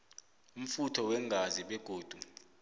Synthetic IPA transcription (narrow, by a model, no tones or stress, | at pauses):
um̩futʰɔwɛŋɡʱaziɓɛɡ̥ʱoːd̥ʱu